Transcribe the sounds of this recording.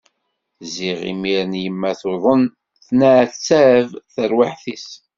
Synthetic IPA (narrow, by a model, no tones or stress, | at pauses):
ziʁḭmiɾənjəmːæθoðˤən | θnæʕθt͡sːævθəɾwaħθis